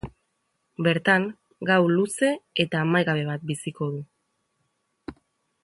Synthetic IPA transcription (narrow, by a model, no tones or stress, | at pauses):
be̞ɾt̪aŋ | ɡawluse̞et̪aːmajɣaβ̞e̞β̞at̪̚bisiko̞ðu